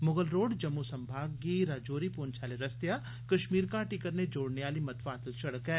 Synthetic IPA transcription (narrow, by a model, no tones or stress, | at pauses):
mʊɡəlɾoːɖd͡ʒɐmːusɐ̃mbʱaːɡːiɾaːd͡ʒoːɾipoːnt͡ʃʰaːleɾɐst̪ja | kɐʃmiːɾkaʈɪkəɾned͡ʒoːɽneʋaːlimɐt̪ʋaːt̪əlʃɐɽəkɦɛː